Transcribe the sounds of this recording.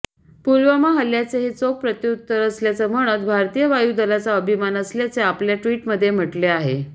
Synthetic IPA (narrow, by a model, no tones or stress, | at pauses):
puɾʋamaɦəljat͡seɦit͡sok̚pɾət̪iut̪ːəɾəsljat͡səm̤əɽ̃ət̪bʱaɾt̪ijəʋajud̪əlat͡saəbʱimanəsljat͡seapljaʈʋiːʈməd̪ʱːjem̤əʈleaɦe